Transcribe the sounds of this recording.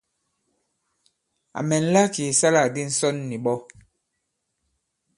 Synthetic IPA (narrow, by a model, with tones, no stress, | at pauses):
a̰˨mɛ˨n̩˦la˦ki˨sa˦la˨di˦n̩˦sɔ˦nːi˨ɓɔ˦